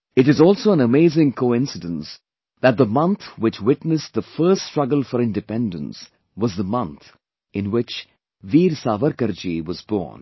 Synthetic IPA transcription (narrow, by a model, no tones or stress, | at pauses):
ɨɾɨzɔːlˠsoːə̃nəmeːzɪ̃ŋkʰoɪ̃nsɪdə̃ns | ðæt̪̚d̪əmʌ̃nt̪ʰwɪt͡ʃwɪtnɨsðəfɜːststɹ̥ʌɡəl̩ˠfəɾɪ̃ndɨpɛ̃ndə̰̃ns | wʌzðəmʌ̃nt̪ | ɪ̃nwɪt͡ʃ | ʋiːɾsaːʋəɾkəɾd͡ʒiwʌzbɔ̰ːn